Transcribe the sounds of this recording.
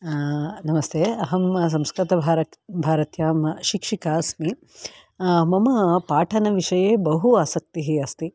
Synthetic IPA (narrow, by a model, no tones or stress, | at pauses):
nɐmɐst̪ʰeːɐɦɐms̬ɐmskɾit̪ɐbʱaːɾɐbʱaːɾɐt̪jaːmɐʃikʂikaːsmi | mɐmɐpaːʈʰɐnɐʋiʂɐjeːbɐɦuaːsɐk̚t̪iɦiɐst̪i